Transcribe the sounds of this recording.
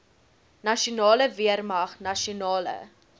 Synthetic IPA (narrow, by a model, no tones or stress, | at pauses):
nɐʃiunɑːləviərmɐχnɐʃiunɑːlə̰